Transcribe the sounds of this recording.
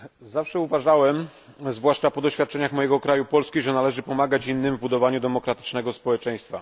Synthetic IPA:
zafʂɛuvaʐawɛm | zvwaʂt͡ʂapɔd̪ɔɕfʲjat̪̚t͡ʂɛɲaxmɔjɛɡɔkɾajupɔlskʲiʐɛnalɛʐɘpɔmaɡat͡ɕinːɘmvbud̪ɔvaɲud̪ɛmɔkɾat̪ɘ̥t͡ʂnɛɡɔspɔwɛt͡ʂɛj̃st̪fa

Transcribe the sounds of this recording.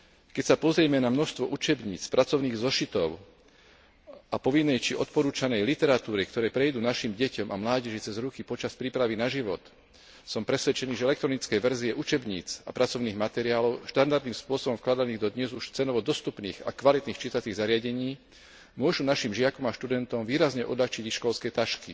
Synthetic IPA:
kɛcsapɔzɾɪɛmɛnamnɔʃst̪ʋɔʔut͡ʃɛbɲiːt͡spɾʔat͡sɔʊniːɣzɔʃit̪ɔʊ | apɔʋinːɛjt͡ʃiʔɔt̪̚pɔɾuːt͡ʃanɛjlit̪ɛɾat̪uːɾikt̪ɔɾɛːpɾɛjd̪uːnaʃimɟɛcɔmʔa̰mlaːɟɛʒit͡sɛzɾukipɔt͡ʃaspɾiːpɾaʋinaʒiʋɔt̪ | sɔmpɾɛsʋɛt͡ʃɛniːʒɛɛlɛkt̪ɾɔnit͡skɛjʋɛɾziɛʔut͡ʃɛbɲḭːt͡sa̰pɾʔat͡sɔʊniːɣmat̪ɛɾiaːlɔʊʃt̪and̪aɾd̪niːmspʊɔsɔbɔmfklad̪aniːɣd̪ɔd̪ɲɛzuʃt͡sɛnɔʋɔd̪ɔst̪upnḭːɣa̰kʋalit̪niːxt͡ʃit̪at͡siːɣzaɾɪaɟɛɲiː | mʊɔʒunaʃimʒɪakɔmaʃt̪ud̪ɛnt̪ɔmʋiːɾazɲɛʔɔd̪laxt͡ʃiɟixʃkɔlskɛːt̪aʃki

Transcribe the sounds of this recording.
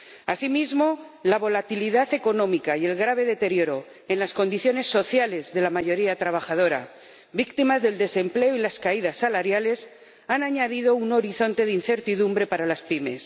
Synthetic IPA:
asimizmo̞laβo̞lat̪iliðaθe̞ko̞nõ̞mikaje̞lɣɾaβ̞e̞ðe̞t̪e̞ɾjo̞ɾo̞ | e̞nlasko̞nd̪iθjo̞ne̞sːo̞θjale̞zðe̞lamaʝo̞ɾiat̪ɾaβ̞axaðoɾa̰ | βik̚t̪imazðe̞ld̪e̞se̞mple̞oilaskaið̞asːalaɾjale̞s | anaɲaðiðo̞uno̞ɾiθo̞nt̪e̞ðinθeɾt̪iðumbɾe̞paɾalaspime̞s

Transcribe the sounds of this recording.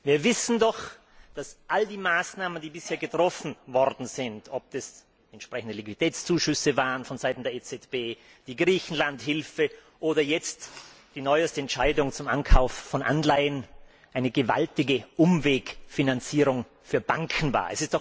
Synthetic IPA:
viːɐvɪsn̩dɔx | d̥asʔaldiːmaːsnaːməndiːbɪsheːɐɡətʁ̥ɔfn̩vɔʁdn̩zɪntʰɔp̚d̥as | ɛntʃpʁ̥ɛçn̩dəlikviitʰɛːt͡st͡suːʃʏsəvaːʁənfɔnzaɪtn̩deːɐeːt͡sɛtb̥eː | d̥iːɡʁiːçn̩lanthɪlfə | ʔoːdɐjɛt͡std̥iːnɔʏəstəɛntʃaɪdʊŋt͡sʊmʔankʰaʊfːɔnʔa̰nlaɪən | ʔaɪnəɡəva̰ltɪɡəʔʊmveːkfinant͡siːʁʊŋ | fyːɐbaŋkʰn̩va̰ːɐɛ̰sɪstɔ

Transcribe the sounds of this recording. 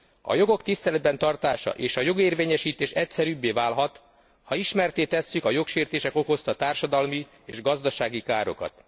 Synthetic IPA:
ɒ̰jo̞ɡo̞kt̪ist̪ɛlɛd̪̚bɛnt̪ɒrt̪aːʃɒ̰ʔeːʃɒjo̞ɡeːrveːɲɛʃiːt̪eːʃɛcsɛɾyːbːeːvaːlɦɒt̪ | hɒiʃmɛrt̪eːt̪ɛsːykɒjo̞kʃeːrt̪eːʃɛko̞ko̞st̪ɒt̪aːrʃɒd̪ɒlmi | eːʒɡɒzd̪ɒʃaːɡikaːɾo̞̰kɒ̰t̪

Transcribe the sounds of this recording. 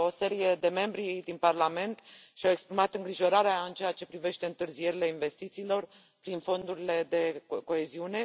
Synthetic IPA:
o̞se̞ɾije̞d̪e̞me̞mbɾid̪inparlame̞nt̪ʃiawe̞kspɾimat̪ɨŋɡɾiʒo̞ɾaɾeaɨnt͡ʃe̞at͡ʃe̞pɾive̞ʃt̪eɨnt̪ɨrzije̞ɾile̞inve̞st̪it̪siːlo̞r | pɾinfo̞nd̪uɾile̞d̪e̞ko̞e̞ziune̞

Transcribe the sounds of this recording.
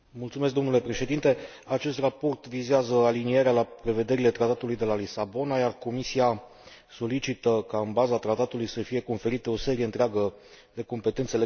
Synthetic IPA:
mult̪sumesk̚d̪onule̞pɾe̞ʃe̞d̪int̪e̞ | at͡ʃe̞st̪rapo̞rt̪vizeazəalinieɾealapɾe̞ve̞d̪e̞ɾile̞t̪ɾat̪at̪ulujd̪e̞lalisabo̞najarko̞misia | so̞lit͡ʃit̪əkaɨnbazat̪ɾat̪at̪ulujsəfije̞ko̞nfe̞ɾit̪eo̞se̞ɾie̞ɨnt̪ɾeaɡə | d̪e̞ko̞mpe̞t̪e̞nt̪see

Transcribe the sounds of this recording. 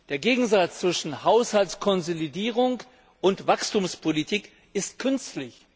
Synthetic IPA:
d̥eːɐɡeːɡŋ̩zat͡st͡sv̥ɪʃn̩haʊshaltskʰɔnzolidiːʁʊŋk | ʔʊntv̥akstuːmspʰolitʰiːk | ʔɪstkʰʏnstlɪç

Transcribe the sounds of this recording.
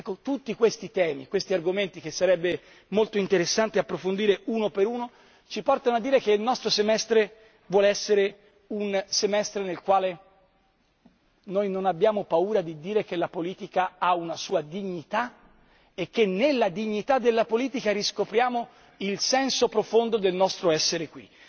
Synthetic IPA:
ɛkːot̪ut̪ːikwest̪it̪ɛːmḭkwest̪iarɡoment̪ikesːaɾɛbːe | molt̪oint̪eɾesːant̪eapːɾofond̪iːɾeuːnopeɾuːno | t͡ʃipɔrt̪anoad̪ːiːɾekeilnɔst̪ɾosemɛst̪ɾe | vwɔːleɛsːeɾe | unsemɛst̪ɾenelkwaːle | nojnonabːjaːmopauːɾad̪id̪iːɾek̟elːapoliːt̪ikaaunasuːad̪iɲːit̪a | ekːenːelːad̪iɲːit̪ad̪ːelːapoliːt̪ikaɾiskopɾjaːmo | ilsɛnsopɾofond̪od̪elnɔst̪ɾoɛsːeɾekwḭ

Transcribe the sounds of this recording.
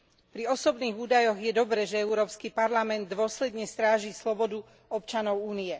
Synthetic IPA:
pɾiɔsɔbniːɣuːd̪ajɔɣjɛd̪ɔbɾɛʒɛɛuɾɔːpskipaɾlamɛnd̪ːʊɔslɛd̪ɲɛst̪ɾaːʒiːslɔbɔd̪u | ɔpt͡ʃanɔʊuːniɛ

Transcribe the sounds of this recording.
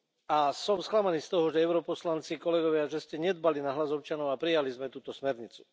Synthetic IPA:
asɔmsklamaniːst̪ɔɦɔʒɛɛʊɾɔpɔslant͡sikɔlɛɡɔʋɪaʒɛscɛɲɛd̪̚balinaɦlazɔpt͡ʃanɔʊapɾijalizmɛt̪uːt̪ɔsmɛɾɲit͡su̥

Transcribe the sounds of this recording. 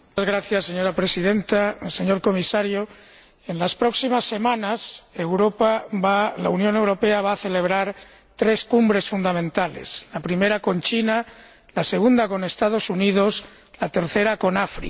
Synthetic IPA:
azɣɾaθjasːe̞ɲo̞ɾapɾe̞sið̞e̞nt̪ase̞ɲo̞ɾko̞misaɾjo | enlaspɾo̞ksimasːe̞mãnase̞wɾopaβala̰unjone̞wɾo̞pe̞aβ̞aːθe̞le̞β̞ɾaɾ | t̪ɾe̞skumbɾe̞sfund̪amẽnt̪ale̞̰slapɾime̞ɾako̞nt͡ʃina | laseɣ̞und̪ako̞ne̞st̪að̞o̞suniðo̞s | lat̪e̞ɾθe̞ɾako̞nafɾḭ

